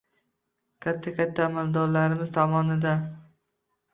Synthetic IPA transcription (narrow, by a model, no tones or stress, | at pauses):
kʲʰat̪ʰːakʲʰat̪ʰːaːmald̪ɒɾlaɾɪmɪzt̪ʰɒmɒnɪd̪a